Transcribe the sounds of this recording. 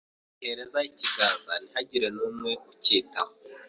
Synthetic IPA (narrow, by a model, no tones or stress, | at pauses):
heɾe̞zaiciɡaːnzanihaɟiɾe̞nuːmŋe̞uciːtaho